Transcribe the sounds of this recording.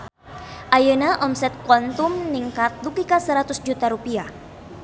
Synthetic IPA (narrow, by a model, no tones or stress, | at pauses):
ʔajənaʔɔmsɛt̪̚kwɔnt̪umniŋkat̪̚lukikasəɾat̪ʊsd͡ʒut̪aɾupia